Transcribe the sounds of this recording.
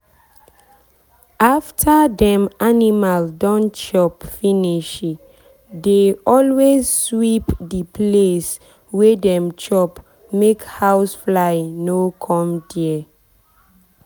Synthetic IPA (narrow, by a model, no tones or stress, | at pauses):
ʔaftʰədɛ̃manimaldɔ̃nt͡ʃɔpfiniʃ | deɔlwezswipdiples | wedɛ̃mt͡ʃɔp | mekhawsflaɪnokʰɔ̃mdiɛ